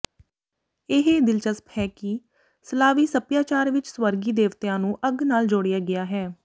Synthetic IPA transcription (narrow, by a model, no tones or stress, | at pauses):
ɪɦeːd̪ɪlt͡ʃəsphɛːki | səlaːʋiːsəpjaːt͡ʃaːɾʋɪt͡ʃswəɾɡiːd̪eːʋt̪ɪjãːnũːʔəɡnaːld͡ʒoːɽɪjaːɡɪaːɦɛː